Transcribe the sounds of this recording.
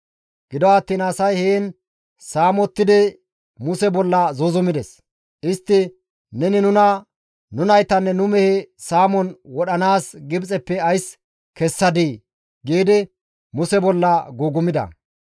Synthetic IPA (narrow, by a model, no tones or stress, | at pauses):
ɡ̥ɪd̪ɔwɐt̪ːiːnɐsɐjheːn | saːmɔt̪ːɪd̪ɪ | mʊsɛbɔlːɐzozʊmɪd̪ɛs | ʔɪst̪ːɪ | nɛnɪnʊnɐ | nʊnɐjt̪ɐnːɛnʊmɛhɛsaːmɔnwɔɗɐnaːsɡɪbt͡sʼɛpːɛɐjs | kɛsːɐd̪iː | ɡeːd̪ɪ | mʊsɛbɔlːɐɡuːɡʊmɪd̪ɐ̰